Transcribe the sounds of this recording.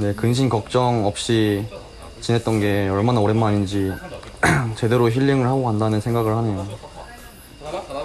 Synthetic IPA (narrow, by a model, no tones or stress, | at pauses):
ne̞kɯŋɕ̬ʰinkʌk̚t͡ɕ͈ʌŋʌp̚ɕ͈i | t͡ɕinɦe̞t̚t͈ʌnɡe̞ʌɭmanaoɾemaɲind͡ʑi | t͡ɕe̞de̞ɾoçiʎːɯŋɯɭhaɡoandanɯnsʰe̞ŋɡaɡɯɭhane̞jo